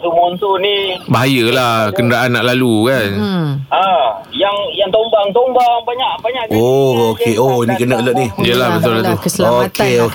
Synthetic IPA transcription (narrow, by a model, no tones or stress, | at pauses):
t̪umont̪unibaɦajəlahkənəɾaʔanːaʔlalukanajaŋjaŋt̪ombaŋt̪ombaŋbaɲaʔbaɲaʔookeoinikənək̚lɔt̪̚nijəlahbət̪ʊlːat̪uokʰeo